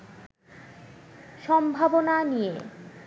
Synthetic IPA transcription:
ʃɔmbʱabonanije

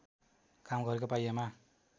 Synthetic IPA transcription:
kamɡʌɾekopajama

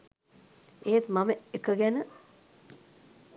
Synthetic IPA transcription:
eːt̪maməekəɡænə

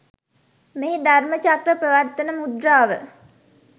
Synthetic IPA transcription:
meːd̪ʱarmət͡ʃakɾəprəʋəɾt̪ənəmud̪raːʋə

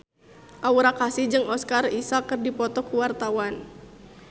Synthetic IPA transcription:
ʔauɾakasid͡ʒɨŋɔskarisakɨrdipɔt̪ɔkuwart̪awan

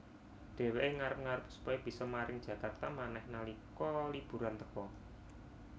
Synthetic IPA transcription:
ɖ̥e̤weʔeŋaɾəp̚ŋaɾəpsu̥pɔib̥i̤sɔmaɾɪŋd̥ʒ̥ä̤kart̪amanɛhnalikɔlib̥ṳɾant̪əkɔ

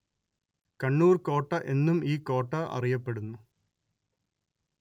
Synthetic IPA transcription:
kɐɳːuːrko̞ːʈːɐʔe̞nːumiːko̞ːʈːɐʔɐ̰rijɐpːe̞ɽunːu

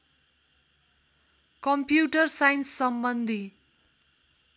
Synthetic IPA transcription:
kʌmpjuʈʌrsajnsːʌmbʌnd̪ʱi

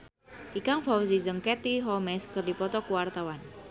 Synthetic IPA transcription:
pikaŋfawzizəŋkɛt̪iɦɔlmɛskərdipɔt̪ɔkuwart̪awan

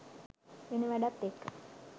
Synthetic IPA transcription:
enəʋæɖat̪ːekːə

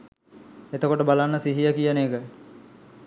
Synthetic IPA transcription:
et̪əkoʈəbalanːəsiɦijəkijənekə

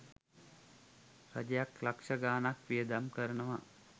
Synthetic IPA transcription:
ɾa̰d͡ʒejaklakʂəɡaːnakʋijəd̪amkəɾənəʋa

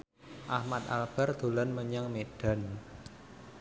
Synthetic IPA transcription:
ʔahmat̪̚a̰lb̥a̤rd̪̥o̤lanməɲaŋmeɖ̥a̤n

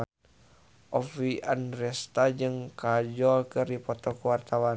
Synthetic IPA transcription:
ʔɔfiʔanɾɛst̪ad͡ʒɨŋkad͡ʒɔlkɨrdipɔt̪ɔkuwart̪awan

